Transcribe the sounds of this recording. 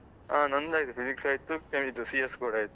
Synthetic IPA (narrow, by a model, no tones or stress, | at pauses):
aːnɐnd̪aːjit̪upʰiziksɐːjt̪ːukemid̪usieskuːɽaːjit̪ːu